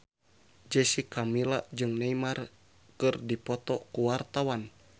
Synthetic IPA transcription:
d͡ʒɛsikamilaʔd͡ʒɨŋnɛimar | kɨrdipɔt̪ɔkuwart̪awan

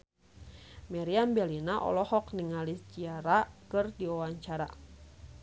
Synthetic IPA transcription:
maɾiambɛlinaʔɔ̰lɔhɔkniŋalist͡ʃiaɾakɨrdiɔwaɲt͡ʃaɾa̰

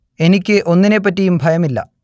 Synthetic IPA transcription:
e̞nikʲːɨʔo̞nːinep̬ːɐtːijumbʱɐjɐmilːɐ̰

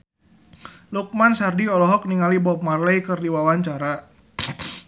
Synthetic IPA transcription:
luk̚mansardiɔlɔɦɔk̚niŋalibɔp̚marlɛjkərdiwawaɲt͡ʃaɾa

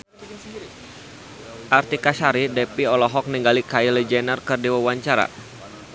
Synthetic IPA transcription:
ʔart̪ikasaɾidɛpiɔlɔɦɔk̚niŋɡalikailɛd͡ʒɛnərkɨrdiwawaɲt͡ʃaɾa̰

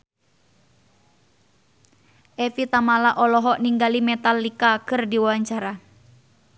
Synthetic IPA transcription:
ʔɛfit̪amalaʔɔlɔɦɔʔniŋɡalimɛt̪alikakɨrdiwawaɲt͡ʃaɾa

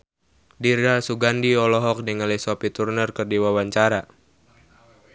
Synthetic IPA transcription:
diɾasuɡandiɔlɔɦɔk̚nɛŋəlɛsɔpit̪urnərkərdiwawaɲt͡ʃaɾa

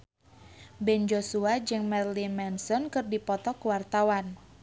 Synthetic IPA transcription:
bɛnd͡ʒosuad͡ʒɨŋmɛrlimɛnsɔnkɨrdipɔt̪ɔkəwart̪awan

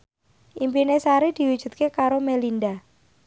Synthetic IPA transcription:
ʔimpinesaɾed̪̥i̤wud̥ʒ̥ṳt̪̚kekaɾomelinda

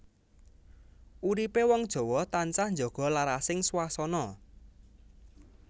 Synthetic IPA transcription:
ʔuɾipewɔŋd̥ʒ̥ɔ̤wɔt̪ant͡ʃahnd͡ʒɔɡ̥ɔ̤laɾasɪŋswasɔnɔ

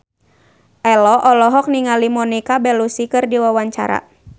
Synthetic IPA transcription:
ʔɛlɔʔɔlɔɦɔk̚niŋalimɔnikabɛlusikɨrdiwawaɲt͡ʃa̰ɾa̰

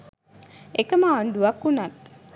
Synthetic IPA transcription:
ekəməːɳɖuʋakːunat̪

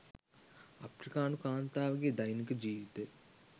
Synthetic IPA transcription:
ɐpɾikaːnukaːnt̪aːʋɐɡid̪ɐjnikɨd͡ʒiːʋit̪e

